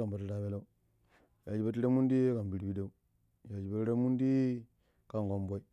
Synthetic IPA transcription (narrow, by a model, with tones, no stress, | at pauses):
a˨ba˨ti˦ɾa˨be˦la˦u˦ | ja˨d͡ʒi˨ba˨ti˦ɾa˦mu˦ndi˦ka˨m˨bi˨ɾi˦bi˦da˦u˦ | ja˨d͡ʒi˨ba˦ɾa˦mu˦ndi˦ | ka˦ŋɡo˦mbo˦i˦